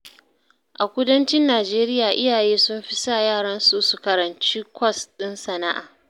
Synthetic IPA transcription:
ʔa˨kʷʊ˦dɐ˦nt͡ʃɪ˦nːaː˨d͡ʒeː˦ɾɪ˦jaː˨ʔɪ˦jaː˨jeː˦sʊ˦mɸɪ˦sa˦˨jaː˦˨ɽɐ˦nsu˦su˨kɐ˨ɾɐ˨nt͡ʃiː˦kʷɔ˦˨sɗɪ˦nsɐ˨na˦ʔa̰ː˨

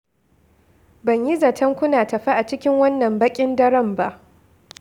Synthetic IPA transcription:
bɐ˨ɲji˦zɐ˨tʰɐ˦ŋkʷʊ˦naː˨tɐ˨ɸa˦ʔa˨t͡ʃɪ˦kʲɪ˦ŋwɐ˦nːɐ˨mbɐ˦kʲʼɪ˦ndɐ˦ɽɐ˦˨mba˦ʔ

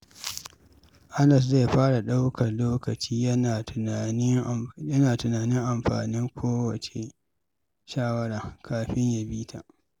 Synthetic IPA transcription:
ʔa˦nɐ˨s̬ze˦˨ɸaː˦ɽa˨ɗa˦wkʰɐ˨rloː˦kɐ˨t͡ʃiː˦jɐ˦naː˨n˦jɐ˦naː˨tʊ˨naː˨nɪ˦ŋʔa˨mɸa̰ː˨nɪ˦ŋkʷʰoː˦wɐ˨t͡ʃe˨ | ʃaː˦wɐ˦ɽaː˨kʰaː˨ɸɪ˦ɲja˨biː˦tʰa˨ʔ

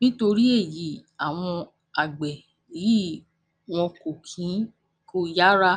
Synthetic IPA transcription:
nĩ˦to˧ɾi˦e˦˨ji˨˦˨a˨w̃ɔ̃˧ | a˨ɡ͡bɛ˨ | ji˨˦ | w̃ɔ̃˧ko˨kʰĩ˨˦ | ko˦ja˦ɾa˦

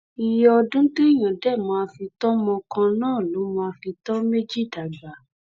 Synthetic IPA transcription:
i˧jɔ˦ɔ˧dũ˦to˦i˦˨j̃ã˨dɛ˦˨mãː˨˧˦a˧fi˧tɔ˦mɔ̃˧kã˧nãː˦˨lo˨˦mɔ̃˧a˧fi˧tɔ˦me˦d͡ʒi˦˨da˨ɡa˨˦

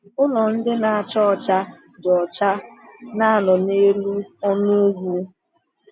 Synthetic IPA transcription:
ʊ˦nɔ˨n̩˦dɪ˦na˨a˨t͡ʃɔ˦˨t͡ʃa˦ | dɔ˨t͡ʃa˦na˦a˦nɔ˨ne˦lu˦ɔ˦nu˦ɡʷu˦

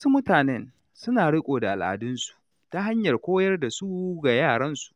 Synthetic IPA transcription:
wsu˦mʊ˦taː˨nɛ˦n | sʊ˦naː˨ɽɪ˦kʷʼoː˨da˨ʔa̰˨lʔa̰˨dʊ˦nsu̥˨ʔ | ta˦ɦa˦ɲjɐ˨rkʷoː˦jɐ˦rda˨su˦ɡa˨jaː˦˨ɽɐ˦nsu̥˨ʔ

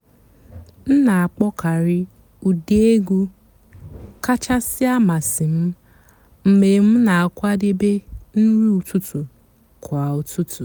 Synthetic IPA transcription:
n̩˦na˨a˨k͡pɔ˦ka˨ɾɪ˦ | u˨de˦e˦ɡu˦ | ka˦t͡ʃa˦sɪ˦a˦ma˨sɪ˨m̩˦ | m̩˨me˨m̩˦na˨a˨kʷa˦de˦be˦n̩˦ɾu˦u˨tu˦tu˨ | kʰa˨u˦tʰu˦tu˨

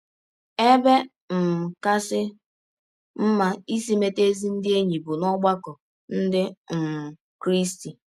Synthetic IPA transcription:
e˦be˦ | m̩˨ka˦sɪ˦ | m̩˦ma˦i˦si˦me˦te˦zi˦n̩˦dɪ˦e˦ɲi˨bʊ˨nɔ˦ɡ͡ba˦kɔ˨ | n̩˦dɪ˦m̩˨ | kɾi˦sti˨

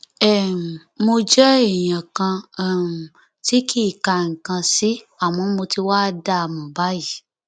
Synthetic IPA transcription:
ɛ˦˨ | mo˧d͡ʒɛ˦e˦˨jã˨kã˧˦˨ | ti˦kʰi˦˨ka˨˧˨ŋ̩˨kã˧si˦ | a˨m̃ɔ̃˨˧˦mo˧ti˧wa˦˧da˦˨mɔ̃˨ba˨˦ji˦˨

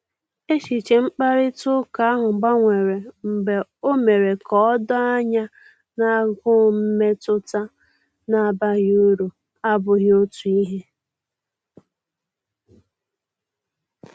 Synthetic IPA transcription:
e˦ʃi˨t͡ʃe˨ŋ͡m̩˦k͡pa˦ɾɪ˦tʊ˦ka˨a˦ɦʊ˨ɡ͡ba˦ŋʷe˨ɾe˨m̩˨be˨o˦me˨ɾe˨kɔ˦dɔ˦a˦ɲa˦ | na˦˨ɡʊ˦m̩˦me˦tʊ˦ta˦ | na˨ba˦ɣu˦ɾu˨ | a˦bʊ˨ɣjo˦tu˨i˦ɦe˦

